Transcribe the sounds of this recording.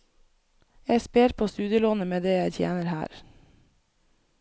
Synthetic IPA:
jæɪspeːɾpʰoːst̪ʉːd̪ɪəloːnəmeːd̪eːjæɪt̪ʰjḛːnəɾhæ̰ːɾ

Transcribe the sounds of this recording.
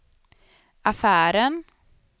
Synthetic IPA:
ʔɑfæːɾən

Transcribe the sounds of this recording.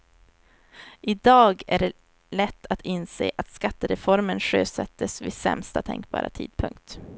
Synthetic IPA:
ʔɪd̪ɑːɡæɖɛ | lɛt̪ʰːat̪ʰɪnseːʔat̪skat̪ːəɾɛfɔɾmənʂøːsɛt̪ʰːəsvɪsɛ̰mst̪at̪ʰɛ̰ŋkbɑ̰ːɾʔa̰t̪ʰḭːd̪̥̚pʰɵŋk̚t̪

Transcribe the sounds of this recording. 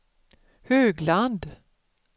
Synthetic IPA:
høːɡland̪

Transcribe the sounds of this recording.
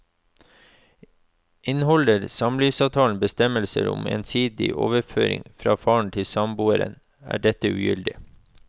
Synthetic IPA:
ʔɪnhɔləɾsɑmlyːʋsɑːʋt̪ʰɑːn̩bəst̪ɛməlsəɾʊ̰mḛːnsiːd̪ɪʔoːʋəɾføːɾɪ̰ŋfɾɑːfɑːɳ̩t̪ʰɪlsɑmbuːəɾə̰n | æ̰ːɖɛt̪əʉːjʏld̪ɪ

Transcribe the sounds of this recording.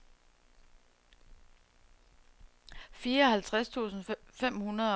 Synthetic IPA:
fiːɐɒ̽hælt͡sʰʁast͡sʰṵːsn̩fem̰hunɐðˠ

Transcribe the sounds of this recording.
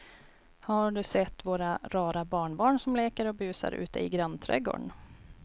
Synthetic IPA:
haɖɵsɛt̪ːvoːɾaɾɑːɾabɑːɳbɑːɳsɔmleːkəɾɔbʉ̟ːsa̰ɾʉ̟ːt̪əɪɡɾant̪ʰɾɛ̰ɡo̰ːɖɳ

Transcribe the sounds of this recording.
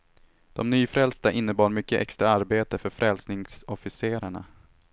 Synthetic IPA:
d̪̥ɔmnyːfɾɛlst̪aʔɪnːəbɑːɾmʏkːəʔɛ̰kst̪ɾaaɾbeːt̪əfœɾfɾɛlsnɪŋsɔfɪseːɾaɳa̰

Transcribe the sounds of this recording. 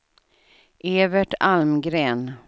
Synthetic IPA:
ʔeːvɛʈalmɡɾeːn

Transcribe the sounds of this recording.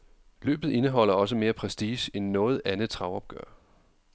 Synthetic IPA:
lø̰ːb̥ð̩ˠe̝nəɦɒ̽l̰ɐɒ̽s̬əme̝ːɐpʰʁɛsd̥iːɕenːɔ̽ːð̞̩ˠænð̩t͡sʰʁɑ̈ʊɒ̽b̥̚ɡ̥œɐ̰

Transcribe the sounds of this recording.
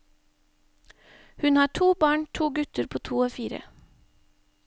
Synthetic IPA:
hʉnhɑːʈʰuːbɑːɳʈʰuːɡʉt̪əɾpʰoːt̪ʰuːoːfiːɾə̰

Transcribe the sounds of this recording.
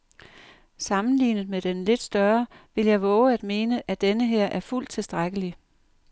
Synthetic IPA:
sɑ̈mn̩lḭːnəð̩ˠmed̥enle̝d̥sd̥ɶɐʋe̝ljɑ̈ɪʋɔ̽ːʊəæd̥me̝ːnəʔæd̥enəɦeɐ̰ʔæɐful̰d̥̚t͡sʰe̝lsd̥ʁaɡ̥əli

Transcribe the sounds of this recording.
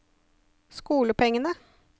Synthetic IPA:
skuːləpɛŋənə

